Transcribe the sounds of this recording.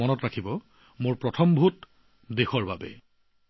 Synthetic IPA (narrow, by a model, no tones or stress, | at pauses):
ɔnɔtɹakʰibɔ | moɹpɹɔtʰɔmbʱut | dexɔɹbabɛ̰